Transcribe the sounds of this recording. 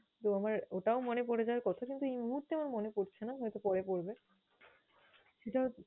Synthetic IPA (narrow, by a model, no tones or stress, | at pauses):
t̪oamaɾoʈaomonepoɽed͡ʑawaɾkɔt̪ʰakint̪uejmuɦuɾt̪eɛmonmonepoɾt͡ɕʰenaɦɔjt̪opɔɽepoɾbe | ʃeʈa